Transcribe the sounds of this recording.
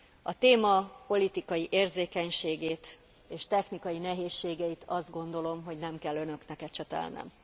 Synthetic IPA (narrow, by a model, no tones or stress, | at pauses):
ɒt̪eːmɒpo̞lit̪ikɒjiʔeːrzeːkɛɲʃeːɡeːt̪ | eːʃt̪ɛxnikɒjinɛɦeːʃːeːɡɛjit̪ɒzd̪̚ɡo̞nd̪o̞lo̞mɦo̞ɟnɛmkɛlːønø̞knɛkɛt͡ʃɛt̪ɛ̰lnɛ̰m